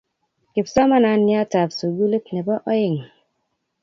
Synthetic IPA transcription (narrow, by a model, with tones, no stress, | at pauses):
ki˨psɔ˦ma˦na˨nːi˦a˦ta˨psu˨ɡu˦le˦kne˨bɔ˦ʔɔ˦ji˨ŋ